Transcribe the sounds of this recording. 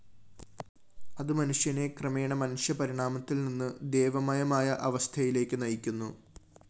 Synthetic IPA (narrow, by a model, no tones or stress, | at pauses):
ɐðɨmɐnuʂjɐne̞krɐme̞ːɳɐmɐnuʂjɐpɐɾiɳaːmɐt̪ːilninːɨd̪e̞ːʋɐmɐjɐmaːjɐʔɐʋɐst̪ʰɐjile̞ːkʲːɨnɐjikʲːunːu